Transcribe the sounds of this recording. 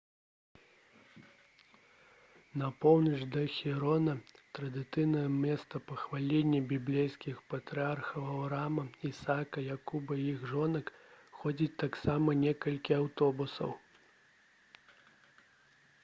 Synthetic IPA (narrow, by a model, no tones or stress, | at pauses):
nɐpɔwnɐt͡ʂd̪ɐxʲiɾɔnɐt̪ɾɐd̪ɨt̪sɨjnɐjɐmʲɛst̪ɐpɐxvalʲenʲːɛbʲiblʲejskʲixpɐt̪ɾɨarxɐwɐwɾamɐisakɐjakubɐjiɣʐɔnɐkxɔd͡zʲit͡sʲt̪aksamɐnʲɛkɐlʲkʲiawt̪ɔbusɐ̰w